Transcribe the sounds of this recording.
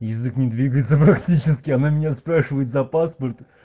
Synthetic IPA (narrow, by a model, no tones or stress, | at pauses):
jɪzɨknʲɪd̪vʲiɡəjɪt̪səpɾɐktʲit͡ɕɪskʲɪɐnamʲɪnʲaspɾaʂɨvəjɪt̪zɐpaspərt̪